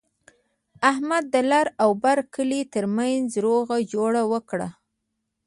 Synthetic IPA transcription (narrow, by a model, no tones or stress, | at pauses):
ahmad̪ːəlaɾawbaɾkəlit̪əɾmanzɾoɣad͡ʒoɽawəkɽa̰